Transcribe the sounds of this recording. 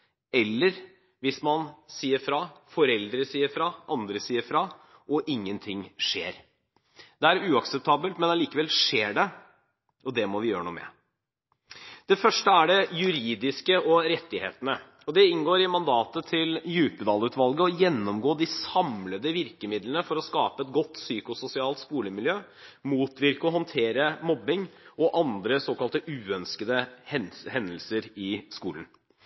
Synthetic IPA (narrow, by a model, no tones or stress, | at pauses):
ɛlːəɾ | ʋɪsmɑnsiːəɾfɾɑfɔɾɛld̪ɾəsiːəɾfɾɑʔɑnd̪ɾəsiːəɾfɾɑ | ɔʔɪŋːənt̪ʰɪŋʂḛːɾ | d̪ɛæɾʉːɑksɛp̚t̪ʰɑːbəlt̪mɛnɑliːkəʋɛlʂeːɖɛ | ɔd̪ɛmɔʋɪjøːɾənṵːmɛ̰ | d̪̥ɛfœʂʈəæɖɛjʉɾiːd̪ɪskəʔɔɾɛt̪ːɪhḛːt̪ənə | ɔd̪ɛɪnɡoːɾɪmɑnd̪ɑːt̪ət̪ʰɪljʉːpəd̪ɑːlʉːt̪ʋɑlɡəɔjɛnːɔmɡoːd̪ɪsɑmləd̪əʋɪɾkəmɪd̪lənəfɔɾɔskɑːpəɛt̪̚ɡɔt̪ːsyːkʊsʊsɪɑːlt̪skuːləmɪljøː | muːt̪ʋɪɾkəɔɦɔnt̪ʰeːɾəmɔbːɪŋɔʔɑnd̪ɾəsoːkɑlt̪əʔʉːœnskəd̪əɛhɛnd̪əlsəɾɪskuːlən